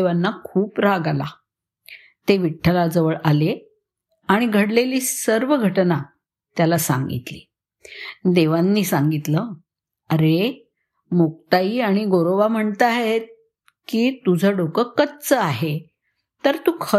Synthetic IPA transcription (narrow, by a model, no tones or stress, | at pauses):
ʋanːakʰuːpɾaɡala̰ | t̪eʋiʈʰːəlad͡zəʋəɭale | aɽ̃iɡʱəɽleliːsəɾʋəɡʱəʈna | t̪jalasã̰ŋɡḭt̪lḭː | d̪eʋanːiːsãŋɡit̪ləː | əɾe | mok̚t̪aiːaɽ̃iɡoɾoʋam̤əɳt̪aɦet̪̚ | kiːt̪ud͡zʱəɖokəkəd̪̚t͡səaɦe | t̪əɾt̪uːkʰə